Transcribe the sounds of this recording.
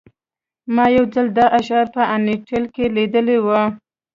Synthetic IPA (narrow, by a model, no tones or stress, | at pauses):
mɑjawd͡zald̪ɑʔaʃɑɾpəʔaneʈʰelkeled̪əlewə